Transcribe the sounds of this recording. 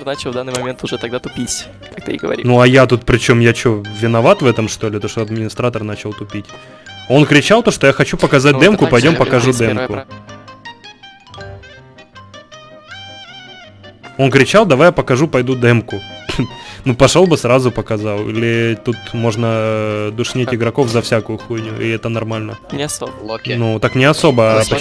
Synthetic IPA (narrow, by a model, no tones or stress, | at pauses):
nat͡ɕɪlvd̪anːɨjmɐmʲent̪ʊʐɛt̪ɐɡd̪at̪ʊpʲisʲ | kak̚t̪ɨɪ̰ɡəvɐ̰ɾʲinuɐjat̪ut̪̚pɾʲɪt͡ɕo̞mjat͡ɕovʲɪnɐvat̪vɛt̪əmʂt̪o̞lʲɪt̪oʂt̪oɐd̪mʲɪnʲɪst̪ɾat̪ərnat͡ɕɪlˠt̪ʊpʲitʲ | o̞nkɾʲɪt͡ɕalˠt̪o̞ʂt̪ojaxɐt͡ɕupəkɐzat̚ʲd̪ɛmkʊpɐjdʲo̞mpəkɐʐud̪ɛmkʊ | o̞nkɾʲɪt͡ɕalˠd̪ɐvajapəkɐʐupɐjd̪ud̪ɛmkʊ | nupɐʂo̞lˠbɨsrazʊpəkɐzalˠḭlʲɪt̪ut̪mo̞ʐnəd̪ʊʂnʲetʲɪɡɾɐko̞fzɐfsʲakʊjʊxujnʲʊ̰ḭlɪɛt̪ənɐrmalʲnə | nut̪aknʲɪɐso̞bəɐpə